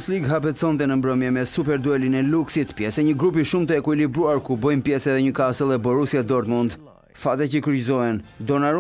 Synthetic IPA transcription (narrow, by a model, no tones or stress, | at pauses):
sliɡɦap̬ɛt͡sɔnt̪ɛnəmbɾəmjɛmɛsupɛɾd̪uɛlinɛluksit̪pjɛsɛɲəɡɾup̬iʃumt̪əɛkuilibɾuaɾkubɔjmpjɛsɛðɛɲəkasəlˠɛbɔɾusiad̪ɔɾt̪mund̪ | fat̪ɛcəkəɾzɔɦɛnd̪ɔnaɾ